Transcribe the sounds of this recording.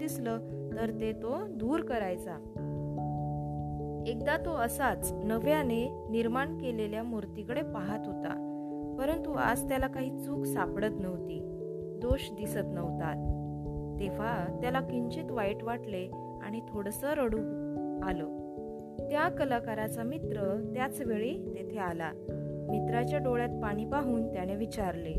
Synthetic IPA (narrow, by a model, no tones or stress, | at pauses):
d̪islə | t̪əɾt̪et̪od̪uːɾkəɾajt͡sa | ek̚d̪at̪oəsat͡snəʋjane | niɾmaɳkeleljamuɾt̪ikəɽepaɦat̪ɦot̪a̰ | pəɾənt̪ua̰d͡zt̪jalakaɦiːt͡suːksapɽət̪nəʋt̪iː | d̪oɕd̪isət̪nəʋt̪at̪̚ː | eʋat̪jalakiɲt͡ɕiːt̪ʋajʈʋaʈle | a̰ɽ̃it̪ʰoɽəsəɾəɽuːaləː | t̪jakəlakaɾat͡samit̪ɾət̪jat͡sʋeɭet̪et̪ʰeala | mit̪ɾat͡ɕjaɖoɭjat̪̚paɽ̃ipaɦuːnt̪janeʋit͡ɕaɾle